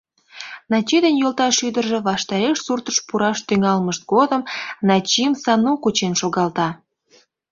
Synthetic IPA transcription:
nɑt͡ɕid̪enjolt̪ɑʃyd̪ərʒe̽βɑʃt̪ɑɾeʃsurt̪əʃpuɾɑʃt̪yŋɑlməʃt̪̚ɡod̪əmnɑt͡ɕimsɑnukut͡ɕenʃoɣɑlt̪ɑ

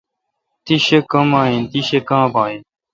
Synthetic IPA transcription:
t̪iɕekɐmaːĩnt̪iɕekãːbãːin

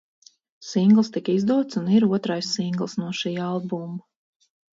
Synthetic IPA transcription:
siŋɡlˠst̪ikəizd̪uɔt̪suniɾuɔt̪ɾajssiŋɡlˠsnuɔʃiːalˠbum

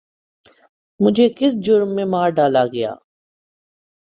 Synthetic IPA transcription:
mʊd͡ʒʱekɪsd͡ʒʊɾmːẽmaːɾɖaːlaɡɐja̰ː

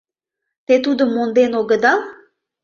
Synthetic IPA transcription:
t̪et̪ud̪ə̆mːond̪enoɡə̆d̪ɑl

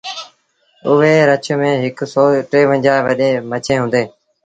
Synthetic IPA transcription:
ʊʋeːɾət͡ʃʰmẽːɦɪksoːʈɾeːʋə̃ɲd͡ʒaːʋəɗeːmət͡ʃʰẽːɦʊ̃ːnd̪eː

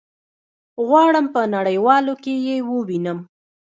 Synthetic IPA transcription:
ɣwɑɽəmpənaɽəjwɑlokejewəwinəm

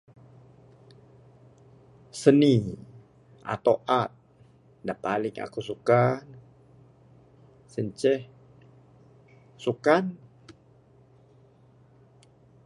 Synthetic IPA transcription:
səni | ʔa̰t̪owʔat̪̚ | daʔpalɪŋa̰kusukan | səɲt͡ʃɛh | sukan

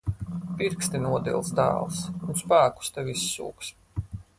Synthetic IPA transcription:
piɾkst̪inuɔd̪ḭlˠsd̪a̰ːlˠsunspæːku̥st̪ɛvisːṵːks

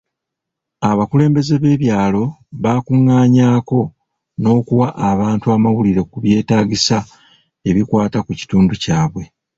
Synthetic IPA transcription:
aβakule̞ːmbe̞ze̞βe̞βjaːlo̞βaːkuŋːaːɲaːko̞ | no̞ːkuwaʔːβaːntuamawuliɾe̞kuβje̞ːtaːɡisa | e̞βikwaːtakuci̥tuːnducaːβwe̞

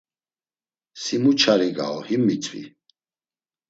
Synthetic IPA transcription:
simut͡ʃʰaɾiɡa̰ɔhimːit͡sʼvḭ

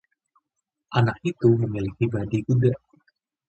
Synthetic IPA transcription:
ʔanak̚it̪uməmilikibadiɡuda

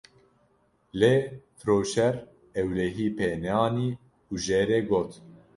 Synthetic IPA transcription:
leːfɾoːʃɛɾ | ɛwlɛɦiːpʰeːnɛɑːniː | uʒeːɾeːɡoːt̪

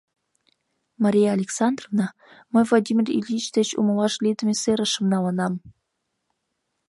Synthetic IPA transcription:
mɑɾʲijɑːlʲeksɑnd̪rovnɑ | məjvlˠod̪ʲimʲirʲḭlʲit͡ɕt̪et͡ɕumɤlɑʃlʲid̪əmʲeseɾəʃə̆mnɑlə̆nɑm

